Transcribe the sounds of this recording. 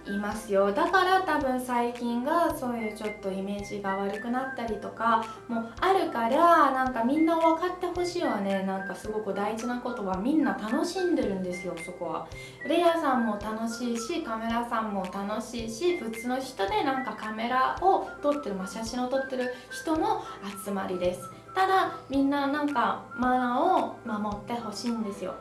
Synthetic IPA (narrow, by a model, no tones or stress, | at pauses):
imasɨjo̞d̪akaɾat̪abɯ̟̃ɰ̃saikʲĩŋɡaso̞ːjɯ̟ːt͡ɕo̞t̪ːo̞ime̞ːʑiɡaβaɾɯ̟kɯ̟nat̪ːaɾʲit̪o̞ka | mo̞aɾɯ̟kaɾanãŋkamʲĩnːaoβakat̪ːe̞ho̞ɕiːβane̞nãŋkasɨɡo̞kɯ̟d̪aiʑinako̞t̪o̞βamʲĩnːat̪ano̞ɕĩnd̪e̞ɾɯ̟̃nd̪e̞sɨjo̞so̞ko̞βa̰ | ɾe̞jasãmːo̞t̪ano̞ɕiːɕikame̞ɾasãmːo̞t̪ano̞ɕiːɕibɯ̟t͡sɨno̞çi̥t̪o̞d̪e̞nãŋkakame̞ɾaʔo̞t̪o̞t̪ːe̞ɾɯ̟maɕaɕĩo̞t̪o̞t̪ːe̞ɾɯ̟çi̥t̪o̞no̞at͡sɨma̰ɾʲid̪e̞sɨ̥ | t̪ad̪amʲĩnːanãŋkamaaomamo̞t̪ːe̞ho̞ɕiːnd̪e̞sɨjo̞̰